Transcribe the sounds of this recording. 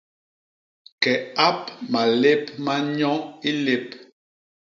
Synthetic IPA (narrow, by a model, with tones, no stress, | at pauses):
kɛ˨a˦p̚ma˨le˦p̚ma˦ɲɔ˦ŋi˦le˨p̚